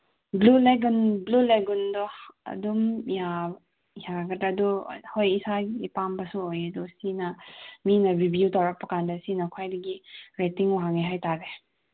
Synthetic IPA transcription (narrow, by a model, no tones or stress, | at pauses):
bluleɡunbluleɡundɔɐ̰dumja | jaɡɐtaduhojisaipambɐsuojɐdɔsinɐminɐɾibjutawɾɐk̚pɐkandɐsinɐkʰajdɐɡiɾetiŋwaɦaŋiɦajtaɾe